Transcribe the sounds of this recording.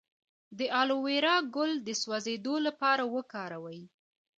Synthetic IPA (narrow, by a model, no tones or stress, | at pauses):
d̪əʔɑloweɾɑɡʊld̪əswazed̪olapɑɾawəkɑɾawəj